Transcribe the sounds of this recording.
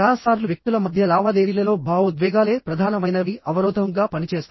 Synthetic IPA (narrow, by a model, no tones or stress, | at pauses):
aːsaːɾluʋjek̚t̪ulɐmɐd̪ʱjɐlaːʋaːd̪eːɾiːlɐlo̞ːbʱaːʋud̪ʋɛːɡaːle̞ːpɾɐd̪ʱaːnɐmɐjnɐʋiʔɐʋɐɾɔːd̪ʱɐŋɡaːpɐnit͡ʃe̞ːst̪